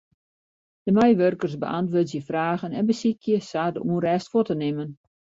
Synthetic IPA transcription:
d̥əmɛjʋørkərsbə̰ʔantʋoːtjəfraːɣənɛnbəsikʰjəsaːdəʔunrɛːstfotənɪmən

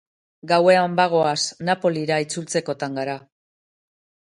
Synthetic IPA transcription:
ɡawe̞ambaɣ̞o̞asnapo̞liɾait͡sult͡se̞ko̞t̪aŋɡaɾa

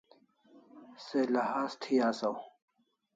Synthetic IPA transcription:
selɐhaːst̪ʰiːaːsɐw

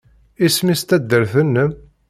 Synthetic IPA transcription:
ismist̪æd̪ːəɾθənːəm

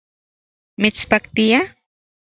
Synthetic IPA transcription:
mɪt͡spakt̪ɪja

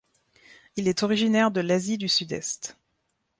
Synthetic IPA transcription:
ilɛt̪ɔʁiʒinɛʁd̪əlazid̪ysyd̪ɛ̰st̪

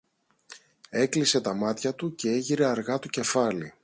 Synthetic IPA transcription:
e̞klise̞t̪ɐmɐt̪çɐt̪uce̞e̞ʝiɾe̞ɐɾɣɐt̪oce̞fɐli

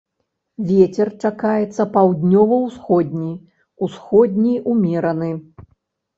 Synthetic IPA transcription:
vʲɛt͡sʲɛrt͡ʂakajɛt̪sːɐpawd̪ʲnʲɔvɐwsxɔd̪ʲnʲij | usxɔd̪ʲnʲijumʲɛɾɐnɨ

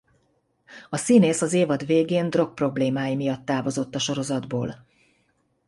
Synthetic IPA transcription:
ɒsineːsɒzeːvɒd̪veːɡeːnd̪ro̞k̚pro̞bleːmaːjimijɒt̪ːaːvo̞zo̞t̪ːɒʃo̞ɾo̞zɒd̪boːl

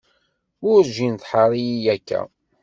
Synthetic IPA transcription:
ʊɾʒinθħaɾˤijijækːæ̰

